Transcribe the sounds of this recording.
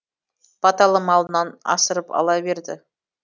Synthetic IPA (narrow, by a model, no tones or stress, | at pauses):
b̥ɑt̪ɑlˠəmɑlˠənɑnɑ̰səɾəpɑ̰lˠɑbe̞ɾd̪ɪ̰